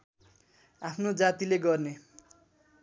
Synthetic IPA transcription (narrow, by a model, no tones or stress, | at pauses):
apʰnod͡zat̪ileɡʌrne